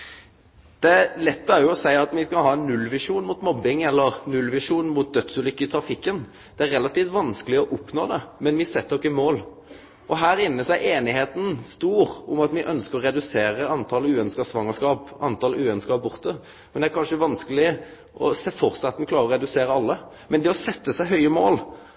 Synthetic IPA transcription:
d̪̥ɛæɾlɛt̪ːæɾjʊɔsæɪɑt̪mɪskɑlhɑːɛnːʉlːʋɪʂuːnmuːt̪mɔbːɪŋɛlːəʁnʉlʋɪʂuːnmuːt̪̚d̪œt̪sʉlʏkːəɪt̪ʰɾɑfɪkːən | d̪̥ɛæɾʁɛlːɑt̪iːft̪ʋɑnskəlɪɔʔʊpnoːd̪ɛmɛnʋɪsɛt̪ːd̪ɔkːɪmoːl | ʔɔɦæːɾɪnːəsɔæɪʔeːnɪheːt̪n̩st̪uːʁʊmɑt̪mɪʔœnskəɾɔɾɛd̪ʉseːɾəɑnt̪ʰɑlʉːɛnskɑsʋɑŋːəʂkɑːpɑnt̪ʰɑlʉːɛnskɑːp̚bʊʁt̪ə | mɛnd̪ɛæɾkʰɑnʂəʋɑnskəlɪ | ʔɔ̰sɛfɔɾt̪sɑt̪ːmɛkʰlɑːɾəɾɔʁɛd̪ʉseːɾəɑlːə | mɛnd̪ɛɔsɛt̪ːəsæɪɦœʏəmoːl

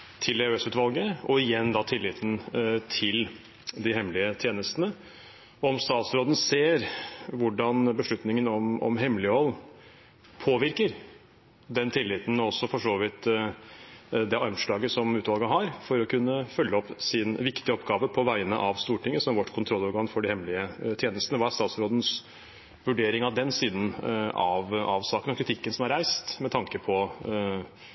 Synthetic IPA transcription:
t̪ʰɪld̪ɛøːsʉːt̪ʋɑlɡəɔɪjɛnːd̪ɑt̪ʰɪlːɪt̪ʰn̩t̪ʰɪl | d̪ɪɦɛmːlɪət̪ʰjeːnəst̪ənə | ɔɔmst̪ɑːt̪sɾoːd̪ən̩seːɾʋʊɖɑnbəʂɭʉt̪nɪŋənɔmɔ̰mɦɛmlɪəɔlː | pʰoːʋɪɾkəɾ | d̪ɛnt̪ʰɪlːɪt̪ən̩ɔɔsːɔfɔʂoːʋɪt̪ | d̪ɛʔɑnʂɭɑːɡəsɔmʉːt̪ʋɑlɡəɦɑɾfɔɾɔkʰʉnːəfœlːəɔpːsɪnʋɪkt̪ɪəɔpɡɑːʋəpʰɔʋæɪənə̰ʔɑʋst̪uːʈɪŋːəsɔmʋɔʈːkʰʊnt̪ʰɾɔlːɑːʋɾɡɑŋfɔɖɪhɛmlɪət̪ʰjeːnəlst̪ənəʋɑst̪ɑːt̪sɾoːd̪ən̩s | ʋʉɖeːɾɪŋɑd̪ɛnsiːnən̩ɑʋɑʋsɑːkənɔkʰɾɪt̪ɪkːənsɔmɑɾæɪst̪mɛt̪ʰɑŋkəpʰɔ

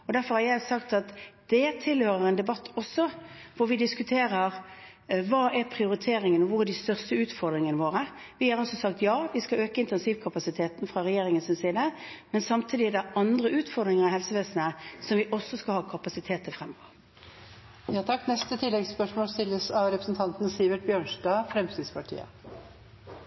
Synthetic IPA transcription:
ɔd̪æʁfɔʁhɑɾjæɪsɑkt̪ɑt̪d̪̥ɛt̪ʰɪlhøːɾəʁɛnd̪ɛbɑt̪ːɔsːɔʋʊɾʋɪd̪ɪskʉt̪ʰeːɾəʁ | ʋɑːʔæɾpʰɾɪʊɾɪt̪ʰeːɾɪŋənɔʋʊʁɛɖ̪ɪst̪œʁst̪əʉːt̪fɔʁd̪ɾɪŋənəʋoːʁə | ʋɪhɑɾʁɔsɔsɑkt̪jɑːʋɪskɑøːkəɪnt̪ɛnsiːʋkʰɑpɑsɪt̪ʰeːt̪n̩fʁɑɾɛjeːɾɪŋənsɪnsiːd̪ə | mɛnsɑmt̪ʰiːd̪ɪæd̪ɛʔɑnd̪ʁəʉːt̪fɔʁd̪ʁɪŋəʁɪhɛlsəʋeːsənəsɔmʋɪʔɔsːɔskɑlhɑːkʰɑpɑsɪt̪ʰeːt̪əfʁɛmːɔʋəʁ | jɑːt̪ʰɑkːnɛst̪ət̪ʰɪlːɛɡspœʂmoːlst̪ɪlːəsɑʋɾɛpɾə̥sn̩t̪ʰɑnt̪n̩siːʋəʈ̚bjøːɳʂɖɑːfɾɛmst̪ɪd̪spɑʈʰḭːə̰

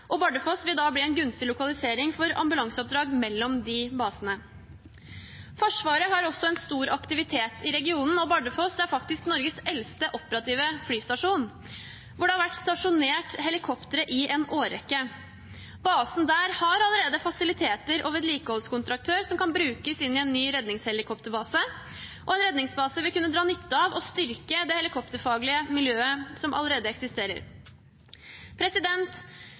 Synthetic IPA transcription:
ʔɔbɑɖəfɔsʋɪld̪ɑːbliɛnɡɾʉnst̪ɪlʊkɑlɪseːɾɪŋfɔɾɑ̰mbʉlɑŋsəɔp̚d̪ɾɑːɡmɛlːɔmd̪ɪbɑːsənə | fɔʂʋɑːɾəɦɑɾɔsɔɛnst̪uːɾɑkt̪ɪʋɪt̪ʰeːt̪ʰɪɾɛɡɪuːnn̩ɔbɑɖəfɔsæɾfɑk̚t̪ɪsknɔɾɡəsɛlst̪əʔɔpəɾɑt̪ʰiːʋəflyːst̪ɑʂuːn | ʋʊɖɛhɑɾʋæʈst̪ɑʂʊneːʈhɛlɪkʰɔpt̪əɾəʔɪɛnʔoːɾɛkːə | bɑːsn̩d̪æːɾhɑɾɑləɾeːd̪əfɑsɪlɪt̪ʰeːt̪əɾʔɔʋɛt̪liːkəhɔlskʊnt̪ɾɑk̚t̪ʰøːɾsɔmkɑnbɾʉːkəsɪnːɪɛnːyːɾɛd̪nɪŋshɛlɪkʰɔpt̪əɾbɑːsə | ʔɔɛnɾɛd̪nɪŋsbɑːsəʋɪlkʉnːəd̪ɾɑːnʏt̪ːəɑʋɔst̪ʏɾkəd̪ɛhɛlɪkʰɔpt̪əɾfɑːɡlɪəmɪljøːəsɔmʔɑ̰ləɾeːd̪əɛksɪst̪eːɾə̰ɾ | pʰɾɛsɪd̪ɛnt̪

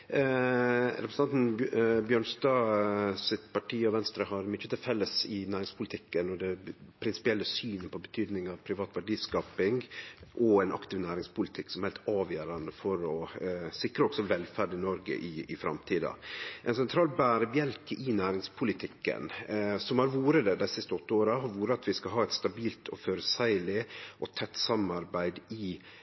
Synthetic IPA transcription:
ɾɛpɾsn̩ɑnt̪n̩bjøːɳst̪ɑːsɪt̪pɑʈʰiːɔʋɛnst̪ɾəɦɑɾmʏt͡ʃːət̪ɪlfɛlːəsɪnæːɾɪŋspʰʊlɪt̪ʰɪkːənɔd̪ɛpʰɾɪnsɪ̥pɪɛlːəsyːnəpʰɔbət̪ʰyːd̪nɪŋɑʋpʰɾɪʋɑːt̪ʋæɖiːskɑːpɪŋʔɔɛnʔɑ̰kt̪ɪʋnæːɾɪŋspʊlɪt̪ʰɪksɔmhɛɪlt̪ɑːʋjøːɾɑnd̪əfɔɾɔsɪkɾəɔɡ̥sɔʋɛlːfæɖɪnɔɾɡə̰ʔɪɪfɾɑ̰mt̪ʰiːd̪ɑ̰ʔɛnsɛnt̪ʰɾɑːlbæːɾəbjɛlkɪnæːɾɪŋspʰʊlɪt̪ʰɪkːə̰nsɔmhɑɾʋuːɾəd̪ɛd̪æɪsɪst̪əɔt̪ːəoːɾɑɦɑɾʋuːɾəɑt̪ʋɪskɑɦɑːɛt̪st̪ɑbiːlt̪ʰɔføːɾəsæɪlɪʔɔt̪ʰɛt̪ːsɑmɑɾbæɪd̪ɪ

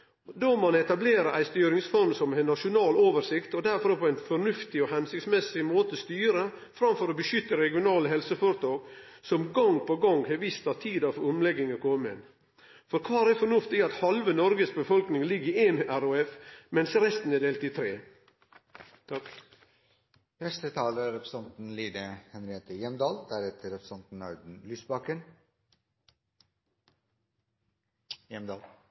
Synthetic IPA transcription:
d̪omɑnɛt̪ɑbleːɾəʔæɪst̪yːɾɪŋsfɔɾmsɔmɛnɑʂʊnɑːloːʋəɾsɪkt̪ɔd̪æɾfɔɾpʰɔæɪnfɔɳʉft̪ɪɔhɛnsɪkt̪smɛsɪmoːt̪əɔst̪yːɾə | fɾɑmfɔɾɔbəʃʏt̪ːəɾɛɡɪʊnɑːləɦɛlsəfoɾət̪ʰɑːɡsɔmɡɑŋpʰɔɡɑŋheʋist̪ɑt̪ʰiːd̪ɑfʊmlɛɡːɪŋəkʰomɛ̰n | fɔɾkʰɑːɾɛfɔɳʉft̪ɪɡɑt̪hɑlʋənɔɾɡəsbəfɔlknɪŋlɪɡəeːnʔæɾʊɛfmɛnsɾɛst̪n̩ɛːd̪eːlt̪it̪ʰɾeː | t̪ | fɛst̪ət̪ʰɑːləɾɛpɾəsɛnt̪n̩liːd̪əhɛnɾɪheːt̪əjɛmd̪ɑːld̪æɾɛt̪ʰəɾɛpɾəsɛnt̪n̩ɑʉd̪n̩lyːsbɑkən | jɛmd̪ɑːl

